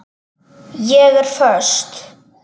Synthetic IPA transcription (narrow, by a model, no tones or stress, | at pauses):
jɛːɣəɾfœʂt̪